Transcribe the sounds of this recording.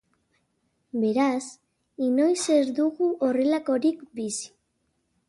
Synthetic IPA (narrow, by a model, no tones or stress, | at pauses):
be̞ɾas | ino̞jseɾd̪uɣuʔore̞lako̞ɾikbisi̥